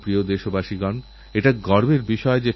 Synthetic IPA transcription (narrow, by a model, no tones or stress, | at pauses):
pɾiod̪eʃobaʃiɡɔn | eʈaɡɔɾbeɾbiʃɔed͡ʑe